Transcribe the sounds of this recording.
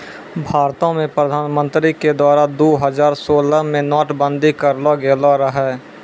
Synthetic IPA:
bʱaːɾt̪õmẽpɾəd̪ʱaːnmə̃nt̪ɾiked̪waːɾad̪oːɦəzaːɾsoːlamẽnɔːʈbə̃nd̪ʱikəɾlaɡeːlaɾəɦɛː

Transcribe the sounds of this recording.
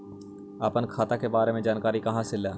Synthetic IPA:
əpənkʰaːt̪akebaːɾemẽd͡ʒaːnkaːɾikɐɦãsɪlaː

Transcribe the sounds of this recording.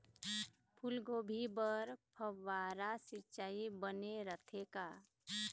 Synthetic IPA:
pʰulɡobʱibəɾpʰəʋːaɾasɪt͡ʃaːibəneɾət̪ʰeka

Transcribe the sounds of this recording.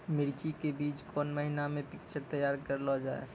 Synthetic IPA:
mɪɾt͡ʃikebiːt͡ʃkʰɔnməɦinamẽpɪkt͡ʃəɾt̪əjaːɾkəɾlɔd͡ʒaḛ

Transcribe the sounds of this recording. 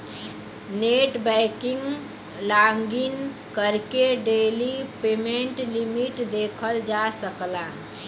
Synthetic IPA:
neʈbɛɪkiŋɡ | laŋɡin | kəɾkeɖelipemeɳʈlimiʈd̪ekʰəld͡ʒasəkla

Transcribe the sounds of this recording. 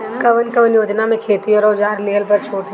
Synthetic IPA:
kɐʋənkəʋənjoːd͡ʒnamẽkʰeːt̪ioɾoːd͡ʒaːɾleːɦəlpɐɾt͡ʃʰoːʈ

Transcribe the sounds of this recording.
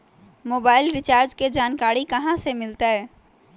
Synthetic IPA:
moːbaːɪlɾɪt͡ʃaːɾd͡ʒked͡ʒaːnkaːɾikɐɦãsemɪlt̪aɦɛː

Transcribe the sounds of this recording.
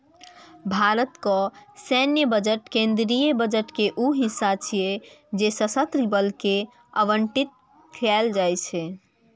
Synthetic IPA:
bʱaɾət̪kɔsɛnjəbəd͡ʒəʈkẽnd̪ɾijəbəd͡ʒəʈkeʔuɦisːat͡ʃʰijed͡ʒesəsət̪ɾibəlke | əʋəɳʈit̪̚ | kʰɛld͡ʒajt͡ʃʰɛ

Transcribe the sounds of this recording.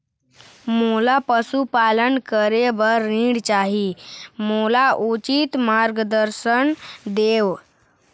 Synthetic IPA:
molapəsupalənkəɾeʋəɾːĩɽt͡ɕaɦimolaʔut͡ɕit̪maɾɡəd̪əɾsənd̪eʋ

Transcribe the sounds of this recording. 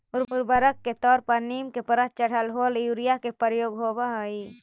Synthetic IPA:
ʊɾʊɾbəɾəkːet̪ɔːɾpəɾniːmkepəɾət̪̚t͡ʃəɽ̤əlɦoːljuɾijakepəɾjoːɡɦoːbaɦəi

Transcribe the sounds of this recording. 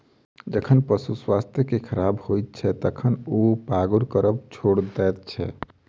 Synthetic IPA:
d͡ʒəkʰənpəsuswast̪ʰjəkekʰəɾabhojt̪̚t͡ʃʰɛt̪əkʰənopaɡuɾkəɾəbt͡ʃʰoɽd̪ɛt̪̚t͡ʃʰɛ̰

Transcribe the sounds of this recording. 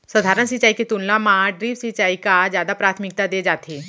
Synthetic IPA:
səd̪ʱaɾənsit͡ɕaiket̪unlamaɖɾiːʋsit͡ɕaikad͡ʑjad̪apɾat̪ʰmik̚t̪ad̪ed͡ʒat̪ʰe

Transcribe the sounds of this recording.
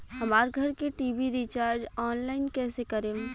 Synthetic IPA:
ɦɐmaːɾɡʱɐɾkeʈiːbiɾit͡ʃaːɾd͡ʒɔːnlaːɪnkɛːsekɐɾẽː

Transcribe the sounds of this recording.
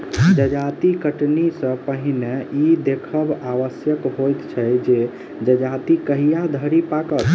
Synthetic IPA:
d͡ʒəd͡ʒat̪ikəʈnisə̃pəɦineid̪ekʰəbaʋəsjəkɦojt̪t͡ʃʰɛjd͡ʒe | d͡ʒəd͡ʒat̪ikəɦijad̪ʱəɾipakət̪

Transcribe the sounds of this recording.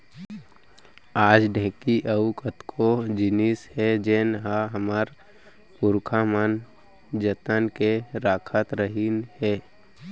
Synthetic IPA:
aːd͡ʒɖɛ̃ːkiʔəukət̪kʰod͡ʒɪnɪshɛd͡ʒeːnɦaɦəməɾ | pʊɾkʰamən | d͡ʒət̪ənkeɾaːkʰət̪ɾəɦinhɛː

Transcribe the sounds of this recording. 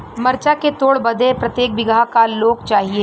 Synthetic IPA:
mɐɾt͡ʃaket̪oːɽbɐd̪ʱepɾɐt̪jeːk̚bɪɡʱakaloːɡt͡ʃaːɦie

